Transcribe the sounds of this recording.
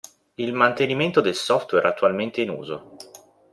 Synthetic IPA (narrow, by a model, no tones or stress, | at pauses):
ilmant̪eniment̪od̪elsɔft̪wɛɾat̪ːualment̪einṵːzo̰